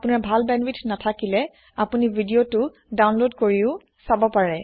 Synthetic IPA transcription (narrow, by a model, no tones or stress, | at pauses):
apunaɹbʱalbɛnbitʰnatʰakilɛ | apunibʱidijotʊ | dawnlodkoɹiʊ | sabɔpaɹɛ